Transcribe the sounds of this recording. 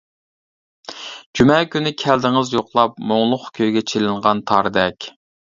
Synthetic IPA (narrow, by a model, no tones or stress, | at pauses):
d͡ʒymɛkʲʰynɪkʲʰɛld̪ɪŋɨzjoqlˠɑpmoŋlˠʊχkʲʰøjɡʲɛt͡ʃʰelɪɴʁɑnt̪ʰɑɾɨd̪ɛkʲ